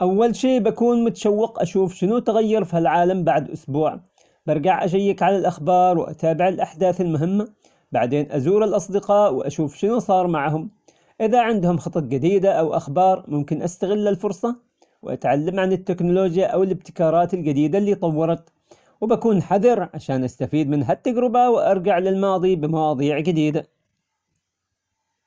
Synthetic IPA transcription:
ʔawːalʃeːʔbakuːnmʊt̪ḁʃawːɪqʔaʃuːfʃɪnut̪aɣajːɑɾˤfihalʕaːlambaʕd̪ʔʊ̰sbuːʕ | bɑɾˤɡaʕʔaʃajːɪkʕalalʔaxbɑːɾˤwʔa̰t̪aːbɪʕɪlʔaħd̪aːθɪlmʊɦɪmːa | baʕd̪eːnʔazuːɾɪlʔɑsˤd̪ɪqɑːʔwʔa̰ʃuːfʃɪnusˤɑːɾˤmaʕɦʊm | ʔɪðaʕɪnd̪hʊmxɑt̪ˤɑt̪d͡ʒɪd̪iːd̪aʔawʔa̰xbɑːɾˤmʊmkɪnʔast̪aɣɪlːalfʊɾˤsˤɑ | wʔa̰t̪ʕalːamʕanɪt̪ːɪknʊloːd͡ʒjaʔawɪlɪb̚t̪ɪ̥kɑːɾˤɑːt̪ɪld͡ʒɪd̪iːd̪alːiːt̪ˤɑwːɑɾˤɑt̪ | wɪbakuːnħaðɑɾʕaʃaːnʔast̪afiːd̪mɪnɦat̪ːad͡ʒɾɪbawɪʔɑɾˤd͡ʒaʕlɪlmɑːðˤibɪmɑwɑːðˤiːʕd͡ʒɪd̪iːd̪a

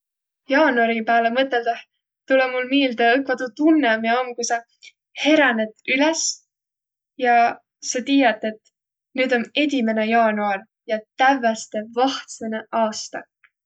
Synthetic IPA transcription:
jɑːnuɑɾipæːlemɤt̪ːˑe̞ld̪ɑh | t̪ulemulmiːld̪̥ɑɤkvɑt̪ut̪unːeɑmiɑmkujsɑ | he̞ɾɑne̞d̪ylɛs | jɑ | sɑt̪iːjɑt̪ːˑe̞t̪ | nyːd̪o̞ne̞d̪ʲime̞nejɑːnuɑr | jɑt̪ævæst̪e̞vɑht̪seneʔɑːst̪ɑ

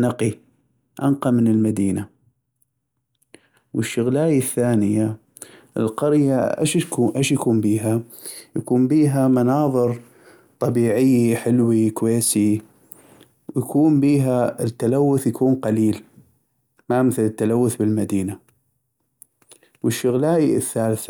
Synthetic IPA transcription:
naqi | ʔa̰nqɑmɪnɪlmad̪iːna | wɪʃːʊɣlaːjaθːaːnɪja | ʔɪ̰lqɑɾjaʔa̰ʃkuːʔeʃjakuːmbiːɦa | jakuːmbiːɦamanɑːðˤɨɾ | t̪ˤɑbiːʕɪjːiħɪlwikweːsi | wjakuːnbiːɦaɪt̪ːalawːʊθjakuːnqɑliːl | mamɪθɪlɪt̪ːalawːʊθbɪlmad̪iːna | wɪʃːʊɣlaːjiɪθːaːlɪθ

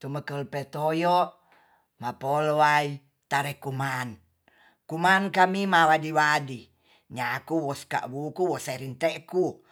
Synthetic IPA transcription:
t̪uməkəlpɛt̪ojo | mapolwai | t̪aɾɛkuman | kumankamimawadiwadi | ɲakuwɔska̰ʔwukuwɔseɾint̪ɛʔku

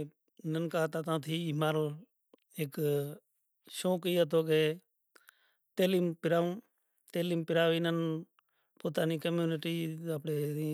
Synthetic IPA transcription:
nənkaːt̪aːt̪ãːt̪ʰiːmaːɾəl | eːk | ʃõːkiːət̪oːkeː | t̪eːliːmpɪɾaːũː | t̪eːliːmpɪɾaːʋinən | poːt̪aːniːkəmjuːnɪʈiːəpɳeːiː

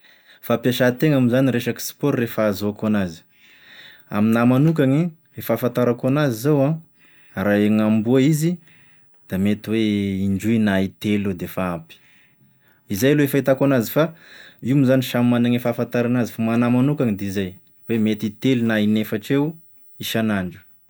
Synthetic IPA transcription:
fapjaʃat̪eŋamizaniɾeʃaki̥si̥poɾːefaːzoakanazi̥ | a̰minamanukaŋi | efafant̪aɾakanazizowã | ɾaeŋambuaizi | d̪̥amet̪iweiɳɖ͡ʐujnait̪elod̪efaapi̥ | izajalueefait̪akanazifaiwamizaniʃammanaŋefafant̪aɾanazifamanamanukaŋid̪eizaj | wemet̪it̪elinainefaʈ͡ʂew | iʃanaɳɖ͡ʐu̥

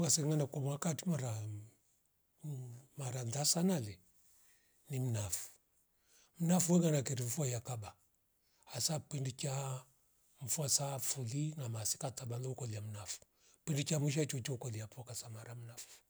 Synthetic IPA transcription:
ɡasɛŋɡanakɔmwakatimaɾa | maɾandasanalɛ | nim̩nafu̥ | m̩nafuwɛŋɡanakɛɾiɱfajakaba | asapindit͡ʃa | ɱ̩fuasafulinamasi̥katabandɔukɔliam̩nafu̥ | pɛndit͡ʃamuʃ̬at͡ʃɔt͡ʃɔukɔliapɔkasamaɾam̩nafu̥

